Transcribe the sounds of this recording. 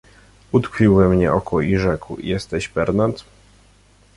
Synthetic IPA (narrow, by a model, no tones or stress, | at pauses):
ut̪kfʲiwvɛmɲɛʔɔkʰɔiʐɛkwjɛst̪ɛɕpɛɾnat̪